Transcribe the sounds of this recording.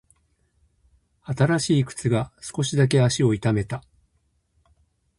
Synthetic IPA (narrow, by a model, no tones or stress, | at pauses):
at̪aɾaɕiːkɯ̟̥t͡sɨɡasɨ̥ko̞ɕid̪ak̬e̞aɕio̞it̪ame̞t̪a